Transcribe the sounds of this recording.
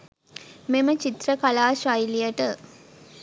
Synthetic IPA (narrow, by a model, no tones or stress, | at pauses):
memət͡ʃit̪ɾəkalaːʃɐjlijəʈə